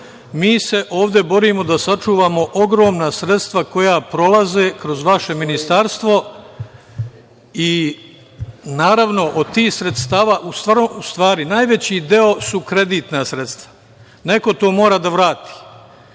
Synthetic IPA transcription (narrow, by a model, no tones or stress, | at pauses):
miːse̞ʔo̞ːʋd̪e̞bo̞ɾimo̞d̪asat͡ʃuːʋaːmo̞ʔoɡɾo̞ːmnasɾe̞t̪st̪ʋako̞japɾo̞laze̞ːkɾo̞zʋaʃe̞minist̪aɾst̪ʋo̞ | i | naːɾaʋno̞ʔod̪t̪iːxsɾet̪st̪aːʋaʔust̪ʋaːɾoust̪ʋaːɾinaːjʋe̞t͡ɕid̪e̞o̞sukɾe̞d̪iːt̪nasɾe̞t̪st̪ʋḁ | ne̞ko̞t̪o̞ːmoːɾad̪aʋɾaːt̪i̥ː